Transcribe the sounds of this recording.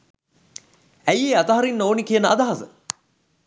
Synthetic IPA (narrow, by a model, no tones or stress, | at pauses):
æjeat̪əɦaɾinːoːnikijənəʔad̪aɦɐsə